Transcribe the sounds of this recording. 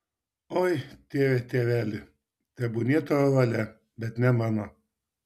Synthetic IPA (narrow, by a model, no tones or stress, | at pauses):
ɔjt̪ʲeːʋʲɛt̪ʲeːʋʲæːlʲɪ | t̪ʲɛbʊnʲiɛt̪oɐʋɐlʲɛ | bʲɛt̪nʲɛmɑnɔ